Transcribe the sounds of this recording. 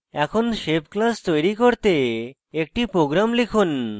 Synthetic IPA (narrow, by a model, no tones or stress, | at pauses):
ɛkʰonʃepklast̪ojɾikoɾt̪e | ek̚ʈipɾoɡɾamlikʰun